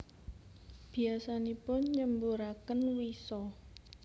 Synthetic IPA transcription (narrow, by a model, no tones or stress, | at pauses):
b̥i̤asanipʊnɲəmbuɾakənwisɔ